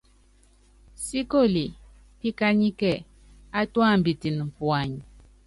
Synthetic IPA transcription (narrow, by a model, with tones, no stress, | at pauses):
si˦ko˦˨li˨ | pi˦ka˦ɲi˦kɛ˦˨ | a˦twa˦˨m˨bi˨ti˨n˨m̩˨pwa˨ɲi˨